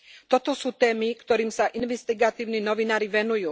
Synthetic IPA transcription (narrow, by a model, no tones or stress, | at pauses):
t̪ɔt̪ɔsuːt̪ɛːmikt̪ɔɾiːmsaʔinʋɛst̪iɡat̪iːʊniːnɔʋinaːɾiʋɛnujuː